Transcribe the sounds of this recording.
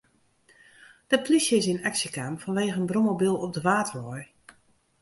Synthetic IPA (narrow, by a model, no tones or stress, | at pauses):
d̥əplisjəɪsɪnaksəkamfɔnʋeːɣəənbromobilˠɔp̚dəʋaːtərɔj